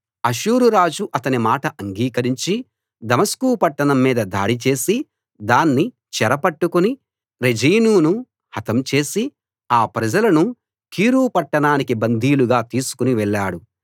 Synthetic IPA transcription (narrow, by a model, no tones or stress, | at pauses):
ɐʃuːɾuɾaːd͡ʒuʔɐt̪ɐnimaːʈɐʔɐŋɡiːkɐɾiɲt͡ʃi | d̪ɐmɐskuːpɐʈːɐɳɐmːiːd̪ɐd̪a̰ːɽit͡ʃe̞ːsi | d̪aːnːi | t͡ʃɛɾɐpɐʈːukuni | ɾed͡ʒiːnuːnu | hɐt̪ɐmt͡ʃe̞ːsi | aːpɾɐd͡ʒɐlɐnu | kiːɾuːpɐʈːɐɳaːnik̬ibɐnd̪ʱiːluɡaːt̪iːsu̥kuniʋɛɭːaːɽu